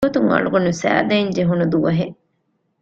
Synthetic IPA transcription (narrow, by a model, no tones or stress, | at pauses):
ot̪uŋɐ̰ɭuɡɐnusæ̰ːd̪ɐiɲd͡ʒeɦunud̪uʋɐɦe